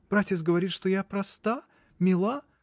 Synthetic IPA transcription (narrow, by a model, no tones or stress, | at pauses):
b̥ɾatʲɪsɡəvɐɾʲit̪ʂt̪ojapɾɐst̪a | mʲɪlˠa